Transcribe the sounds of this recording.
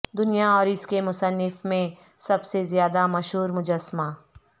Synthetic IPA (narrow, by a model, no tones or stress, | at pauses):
d̪ʊnijaɔːɾɪskemʊsənːɪfmẽ | sɐbsezjaːd̪amɐʃɦuːɾmʊd͡ʒəsːmaː